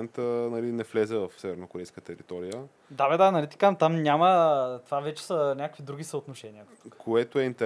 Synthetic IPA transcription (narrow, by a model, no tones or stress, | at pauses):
nt̪ənɐlinɛflɛzɛvɐfsɛvɛɾnokoɾɛjskət̪ɛɾit̪ɔɾijə | d̪abɛd̪aɐnɐlit̪i̥kant̪amnʲamət̪ovavɛt͡ʃɛ̥sənʲjakə̥kvid̪ɾuɡ̟isəot̪noʃɛniət̪u̥kkʰoɛt̪oɛint̪ɛ